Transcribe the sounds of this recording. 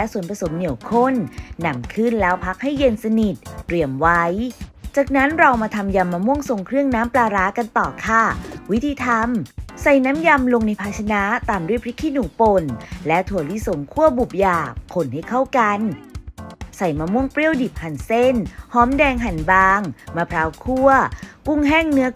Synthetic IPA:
lɛ˦˥su˨˩˦npɾa˧so˩˦mni˨˩˦əwkʰo˥˩nːa˧mkʰɯ˥˩nlɛː˦˥wpʰa˦˥k̚ha˥˩jːe˧nsa˧ni˨˩t̪̚ɾi˧˩əmwa˦˥jt͡ɕaː˨˩k̚na˦˥nɾa˧wmaː˧t̪ʰa˧mja˧mːaː˧mu˥˩əŋso˨˩ŋkʰɾɯ˥˩əŋnaː˦˥mplaː˧ɾaː˦˥ka˧nt̪ɔː˨˩kʰaː˧˥˩wi˦˥t̪ʰiː˧t̪ʰa˧msa˨˩jna˦˥mja˧mlo˧ŋni˧jpʰaː˧t͡ɕʰa˧na˦˥t̪aː˨˧˩mdu˥˩pʰɾi˦˥kʰiː˧˥˩nuː˩˦po˧˩nlɛ˦˥t̪ʰu˨˩˦ɐli˦˥so˨˩˦ŋkʰu˥˩əbu˨˩p̚jaː˨˩kʰːo˧˩nha˥˩jkʰa˥˩wka˧n | sa˨˩jmaː˧mu˥˩əŋpɾi˥˩əwdi˨˩p̚ha˨˩nse˥˩nhɔː˦˥mdɛː˧ŋɦa˨˩nbaː˧ŋmaː˧pʰɾaː˨˦˥wkʰu˥˩ɐku˥˩ŋɦɛː˥˩ŋnɯ˦˥ɐ

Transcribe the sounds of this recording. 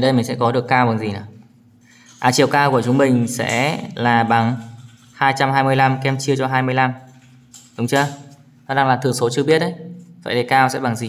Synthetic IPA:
ɗə˧jmï̟˨˩sɛ̰˧˥kɔ˨˦ɗɨ˨˩əkːaː˧wɓa˨˩ŋzi˨˩naː˨˩ | ʔaː˨˩t͡ɕi˨˩əwkaː˧wku˧˩ət͡ɕʊ˨˦ŋ͡mmï˨˩ŋ̟sɛ̰˧˥laː˨˩ɓa˨˦ŋ | haː˧jt͡ɕa˧mhaː˧jmɨ˧əjla˧mkɛ˧mt͡ɕi˧ət͡ɕɔ˧ɦaː˧jmɨ˧əjla˧m | ɗʊ˨˦ŋ͡mt͡ɕɨ˧ə | nɔ˨˦ɗaː˧ŋlaː˨˩t̪ɨ˨˩əŋso˨˦t͡ɕɨ˧ə˧ɓi˦˥ət̚ʔə˨˦jva̰ː˧˨jɗe˨˩kaː˧wsɛ̰˧˥ɓa˨˦ŋzi˨˩

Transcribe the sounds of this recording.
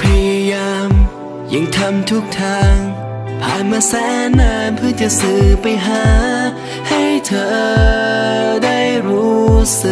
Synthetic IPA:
pʰa˧ja˧jaː˧m | ja˨˩ŋt̪ʰa˧mt̪ʰu˦˥˩k̚t̪ʰaː˧ŋ | pʰaː˨˩nmaː˧sɛː˨˦˥naː˧˩npʰɯ˥˩˨t͡ɕa˧˩sɯː˨˩pa˧jɦaː˦ | ha˥˩jt̪ʰɤː˧ | da˥˩jɾuː˦˥sɯ˨˧˩

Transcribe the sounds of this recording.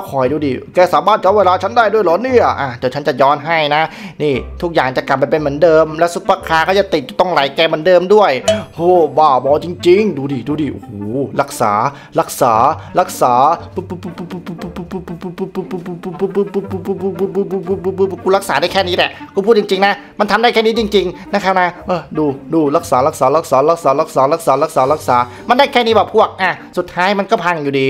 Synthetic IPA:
kʰɔː˨˩˦jduː˧diː˧kɛː˧˩saː˨˦maː˥˩nt͡ɕa˧˨˧weː˧laː˧t͡ɕʰa˦˥ndaː˥˩jdu˥˩əjlɔː˨˦ni˥˩ɐʔaː˧˩d̪ɛ˧˩t͡ɕʰa˦˥nt͡ɕa˨˩jɔː˦˥nɦa˥˩jna˦˥niː˥˩t̪ʰu˦˥k̚jaː˨˩ŋt͡ɕa˨˩ka˨˩p̚ːa˧jpe˧nm˩˦ə˦ndɤː˧mlɛː˦˥su˧˥tːaː˧˩kʰaː˧kʰaː˥˩t͡ɕa˨˩t̪i˨˩t̪̚t͡ɕa˨˩t̪ɔ˥˩ŋlaː˨˦jkɛː˧ma˩˦ə˦ndɤː˧mdu˥˩əjhoː˧˩baː˧˩bɔː˧˦t͡ɕi˧ŋt͡ɕi˧ŋduː˧diː˨˩duː˧diː˨˩ʔṵ˨˧hoː˨˦la˦˥k̚sa̰ː˩˦ | ɾa˦˥k̚saː˩˦ɾa˦˥k̚saː˩˦pːppppːpːpːɯ˧˥˩pu˦˥˩pu˦˥pu˦˥˩u˧˩u˧˩u˧˩˧kuː˧ɾa˦˥k̚saː˩˦da˥˩jkʰɛː˥˩niː˦˥lɛ˨˩kʰːpʰuː˥˩t̪̚t͡ɕi˧ŋt͡ɕi˧ŋna˦˥ | ma˧nt̪ʰmda˥˩kʰɛː˥˩ni˦˥t͡ɕi˧ŋt͡ɕi˧ŋna˧˦˥kʰa˦˥p̚na˦˥ʔɤː˧˩duː˧duː˧la˦˥k̚saː˩˦la˧˥k̚saː˩˦la˧˥k̚saː˩˦la˧˦˥k̚saː˨˦la˧˦˥k̚saː˨˩˦la˦˥k̚saː˨˩˦la˦˥k̚saː˨˦la˦˥k̚saː˩˦ | ma˧ndaː˥˩jkʰɛː˥˩niː˦˥bɛː˨˩pʰu˥˩ək̚ʔaː˧˩su˨˩t̪ʰːaː˦˥jma˧nkɔː˥˩pʰa˧˩ŋjuː˨˩diː˧

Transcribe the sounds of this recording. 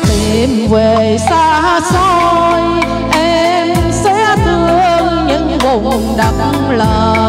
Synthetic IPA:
t̪i˨˩mve˨˩ | saː˧so˧j | ʔɛ˧ | m | sɛ̰˧˥t̪ɨ˨˩əəʔə˧nɲɨ̰˧˥ŋɓo˧˨mɨ˨˩ŋɗa˨˩k̚ | ləː˨˩

